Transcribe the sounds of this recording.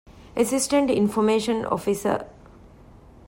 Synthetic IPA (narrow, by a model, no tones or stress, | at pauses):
əsisʈə̃ɳʈḭ̃nfɔmeːʃə̃nɔ̰fisə̰